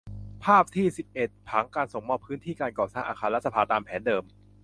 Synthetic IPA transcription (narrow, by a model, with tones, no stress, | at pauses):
pʰaː˥˩p̚t̪ʰiː˥˩si˨˩p̚ʔe˨˩t̪̚pʰa˩˦˥ŋkaː˧nso˨˩ŋmɔː˧˩pʰːɯː˦˥nt̪ʰiː˥˩kaː˧nkɔː˨˩saː˥˩ŋʔaː˧˩xʰaː˧l̚sa˧pʰaː˧t̪aː˧mpʰɛː˩˦ndɤː˧m